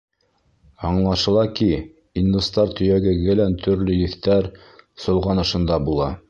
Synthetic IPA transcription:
ɑɴlˠɑʃɤ̆lˠɑki | ind̪ust̪ɑɾt̪ɵ̆jæɡɘ̆ɡɘ̆lænt̪ʰɵ̆ɾlɵjɘ̆θt̪æɾ | sŏlˠʁɑnɤ̆ʃɤ̆nd̪ɑbulˠɑ

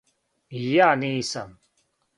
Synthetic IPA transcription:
jaːnĩːsɐm

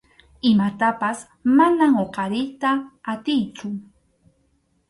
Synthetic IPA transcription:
ɪmat̪apas | manaŋoqɑɾɪjt̪aːt̪ɪjt͡sʊ

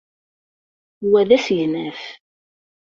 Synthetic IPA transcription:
wæðæsjnæf

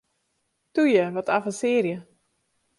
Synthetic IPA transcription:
tujəʋɔtafəsɪːrjə

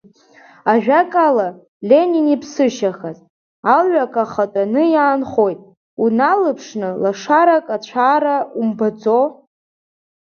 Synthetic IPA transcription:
aʒᶣakʼala | lʲe̞ninipʰsɨʃaχaz | alɥakʰʼaχatʼanɨjaːnχo̞jtʼ | unalɨpʰʂnɨlaʂaɾakʼat͡ɕʷʰaːɾaumbad͡zo

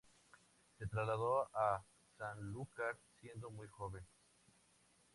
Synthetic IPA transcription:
set̪ɾazlaðoa | sanlukaɾsje̞nd̪omujxoβen

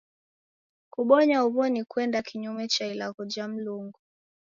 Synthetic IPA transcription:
kuɓɔɲauβɔnikwɛndakʰiɲumɛt͡ʃailaɣɔd͡ʒam̩luŋɡu

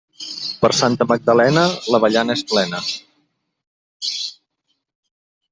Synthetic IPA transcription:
pəɾsant̪əməɡ̚d̪əlɛnələβəʎanəesplɛnə

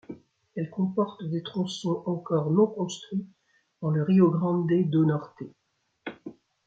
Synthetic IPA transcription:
ɛlkɔ̃pɔʁt̪d̪et̪χɔ̃sɔ̃ʔɑ̃kɔʁnɔ̃kɔ̃st̪χwɥi | d̪̥ɑ̃ləʁioɡʁɑ̃d̪ed̪onɔʁt̪e

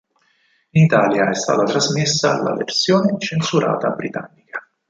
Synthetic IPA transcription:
init̪aːljaɛst̪a̰ːt̪at̪ɾazmesːala̰vḛrsjoːnet͡ʃensuɾʔa̰ːt̪abɾit̪a̰nːikḁ

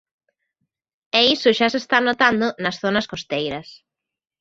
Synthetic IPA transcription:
ɛisʊʃasest̪anot̪and̪ʊnɐsθonɐskost̪ejɾɐs

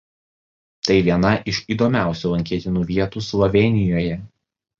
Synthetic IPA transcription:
t̪ɐɪʋʲiɛnɐʔɪʃiːd̪ɔmʲæˑʊsʲuːˑlˠɐŋʲkʲiɛt̪ʲɪnuːʋʲiɛt̪uːslˠɔʋʲɛːnʲɪjoːjɛ

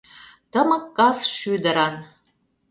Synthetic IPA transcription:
t̪əməkːɑsʃyd̪əɾɑn

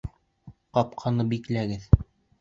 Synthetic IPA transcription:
qɑp̚qʰɑnɤbiklæɡɘð

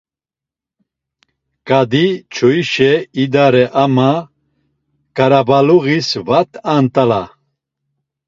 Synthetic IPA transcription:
kʼad̪it͡ʃʰɔiʃɛid̪aɾɛʔama | kʼaɾabaluɣisvat̪ʰʼant̪ʼala̰

